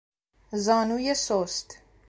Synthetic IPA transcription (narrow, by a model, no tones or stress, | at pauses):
zɑːnuːjesost̪